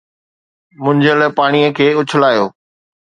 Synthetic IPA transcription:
mʊ̃ɲd͡ʑəlpaːɽ̃ijəkʰeːʊt͡ɕʰʊlaːjoː

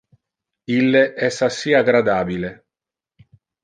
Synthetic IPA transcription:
ilːeʔɛsasːiaɡɾad̪aːbile

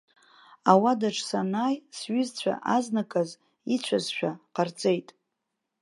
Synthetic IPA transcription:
awadaʈ͡ʂʰʼsanajsɥʏzt͡ɕʷʰa̰ʔaznakʼaz | it͡ɕʷʰazʃᶣaqʰart͡sʼe̞jtʼ

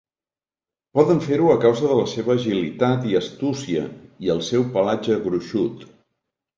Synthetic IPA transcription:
pɔðəɱfeɾuəkawzəðələseβəːʒilit̪at̪iəst̪usiə̰iəlˠsɛwpəlad͡ʒəɣɾuʃut̪

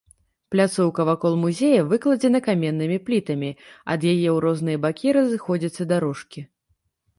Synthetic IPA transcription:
plʲat̪sɔwkɐvakɔlˠmuzʲejɐvɨklˠɐd͡zʲɛnɐkamʲɛnːɨmʲiplʲit̪ɐmʲiɐ̰d̪jajɛwɾɔzn̪ɨjɐbakʲiɾɐzɨxɔd͡zʲit̪sːɐd̪aɾɔʂkʲi

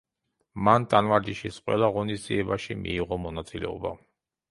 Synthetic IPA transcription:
mant̪ʼanvaɾd̪iʃisqʼwɛ̰lˠaʁɔnisd̪ziɛbaʃimḭːʁɔmɔnat̪sʼilɛ̰ɔba

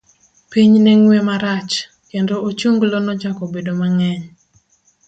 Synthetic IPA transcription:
piɲnɛŋwɛmaɾat͡ʃ | kendoot͡ʃuŋɡlonɔd͡ʒakɔbedomaŋɛɲ

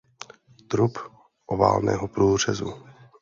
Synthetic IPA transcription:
t̪ɾup | ʔova̰ːlnɛ̰ːɦopɾuːr̝ɛzu

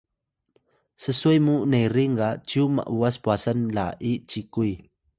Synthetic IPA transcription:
səsujmunejɾiŋɡat͡ɕiuma̰ʔuaspuasanla̰ʔit͡ɕikuj

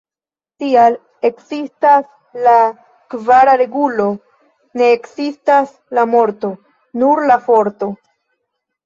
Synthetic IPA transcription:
tial | e̞kzistas | la | kvaɾaɾe̞ɡulo̞ | ne̞ːkzistas | lamo̞ɾto̞ | nuɾlafo̞ɾto̞

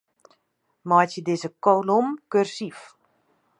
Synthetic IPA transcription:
mɔjtjədɪzəkolomkørsif

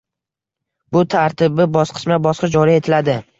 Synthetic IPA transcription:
bʊt̪ʰaɾt̪ʰɪbɪbɒsqʰɨ̥ʃmabɒsqɑd͡ʒɒɾie̞t̪ʰɪlad̪ɪ

